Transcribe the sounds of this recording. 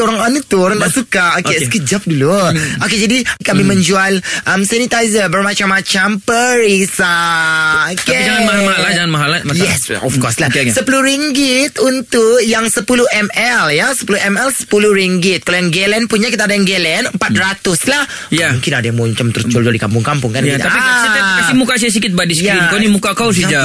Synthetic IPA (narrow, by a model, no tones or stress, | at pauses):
oɾaŋanut̪uoɾaŋdaʔsukaokeskəd͡ʒap̚duluoked͡ʒadikamimə̃ɲd͡ʒualʔəmsanit̪ajzəbərmat͡ʃamːat͡ʃampəɾisa | oked͡ʒaŋanmamaɦalad͡ʒaŋanmaɦalamajɛsɔ̰fkɔslahsəpuluɾiŋɡɪt̪unt̪ʊkjaŋsəpulʊʔɛmɛljasə̥puluɛmɛlsə̥puluhɾiŋɡɪt̪̚kalojaŋɡelɛnpuɲakit̪aːdajaŋɡelɛnəmpat̪̚rat̪ʊslah | jamuŋkɪnadajaŋmuɲt͡ʃamt̪əɾʊst͡ʃold͡ʒɔldikampʊŋkampʊŋkanit̪t̪apikasikasimukas̬ias̬ikɪt̪̚badisjkɾinkownimukakaws̬id͡ʒa